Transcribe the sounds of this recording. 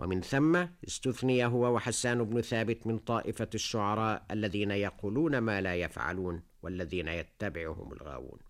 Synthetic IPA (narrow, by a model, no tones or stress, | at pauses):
wʔa̰mɪnθamːaɪst̪ʊθnɪjaɦʊwawaħasːaːnʊbnʊθaːbɪt̪mɪnt̪ˤɑːʔɪfaʃːʊʕɑɾˤɑːʔʔalːaðiːnajɑquːluːnamaːlaːjafʕa̰luːn | walːaðiːnajat̪ːabɪʕʊhʊ̰ma̰lɣa̰ːwṵːn